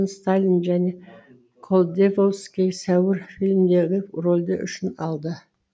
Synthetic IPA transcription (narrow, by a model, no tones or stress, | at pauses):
nst̪alʲinʒæne̞ | kʰolˠd̪evolˠskʲesæwɪɾfʲilʲmd̪eʁʲepro̞lʲd̪əʔʏ̰ʃɪnɑlˠd̪ə